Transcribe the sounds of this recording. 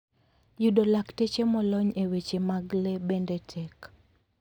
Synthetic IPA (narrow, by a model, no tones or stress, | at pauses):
judolaktet͡ʃemɔlɔɲewet͡ʃemaɡlebendetʰɛk